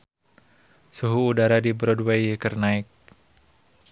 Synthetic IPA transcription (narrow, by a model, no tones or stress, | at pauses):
suɦuːdaɾadibɾɔdwejkərnaɪk̚